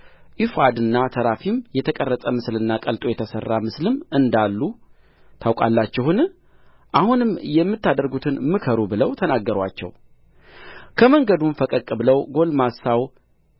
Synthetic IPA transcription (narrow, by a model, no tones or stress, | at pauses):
ʔifad̪ɨnːat̪ʰəɾafimjɛt̪ʰəkʼərːət̪ʼəmɨslɨnːakʼəlt̪ʼojɛt̪ʰəsərːamɨslɨmɨnd̪alːu | t̪ʰawkʷʼa̰lːat͡ʃːɛhɨn | ʔahunɨmːjɛmːɨt̪ʰːad̪əɾɡut̪ʰɨnmɨkʰəɾubɨləwt̪ʰənaɡːəɾwa̰t͡ʃːɛ̰w | kʰəməŋɡəd̪umfəkʼəkʼːɨbɨləwɡo̞lmasaw